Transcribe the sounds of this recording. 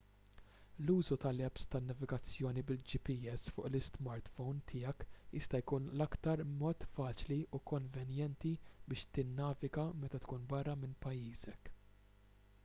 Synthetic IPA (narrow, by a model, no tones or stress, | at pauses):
luːzut̪ɐlɛpst̪ɐnːɐvɪɡɐt͡sːjɔːnibɪld͡ʒipiɛsfʊ̰ːʔlɪst̪mɐɾt̪fɔwnt̪ʰɪjɐkjɪst̪ɐjkuːnlɐkt̪ɐɾmɔːt̪fɐːt͡ʃliukɔɱvɛnjɛnt̪ibɪːʃt̪ɪnːɐːvɪɡɐmɛt̪ɐt̪kuːnbɐrːɐmɪnpɐjːiːzɛk